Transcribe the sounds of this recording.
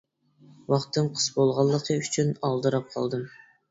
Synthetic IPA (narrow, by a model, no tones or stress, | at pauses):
wɑχt̪ːɨmqʰə̥sbolˠʁɑlˠːəqʰəyt͡ʃʰynɑlˠd̪ɨɾɑp̚qʰɑ̰lˠd̪ɨm